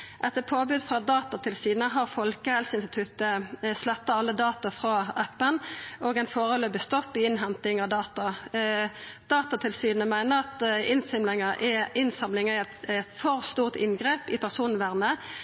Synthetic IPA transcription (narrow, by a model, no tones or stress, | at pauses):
ʔɛt̪ːəpʰoːbʉd̪fʁɑd̪ɑːt̪ɑt̪ʰɪlsyːnəɦɑʁfɔlkəhɛlsəɪnst̪ɪ̥t̪ʰʉt̪əslɛt̪ːɑɑlːəd̪ɑːt̪ɑfʁɑæpːənʔoːɡɛɪnfoːʁɔløːbəst̪ɔfɪɪnɦɛnt̪ɪŋɑʋd̪ɑːt̪ɑ | d̪̥ɑːt̪ɑt̪ʰɪlsyːnəmæɪnəʁɑt̪ɪnsɪmlɪŋəʔɪɪnsɑmlɪŋəɪɛt̪t̪fɔʁst̪uːʁt̪ɪ̰nɡʁeːpɪpʰæʁsuːn̩ʋæʁnə